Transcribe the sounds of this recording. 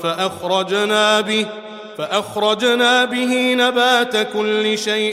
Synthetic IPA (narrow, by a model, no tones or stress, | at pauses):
faʔaxɾˤɑd͡ʒnaːbɪ | aʔaxɾˤɑd͡ʒnaːbɪɦiːnabaːt̪akʊlːɪʃajʔ